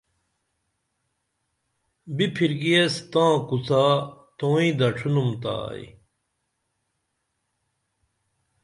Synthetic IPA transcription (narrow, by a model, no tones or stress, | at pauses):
bipʰiɾɡiest̪ãːkusaːt̪oːĩd̪ɐʈ͡ʂʰunumt̪a̰ːj̰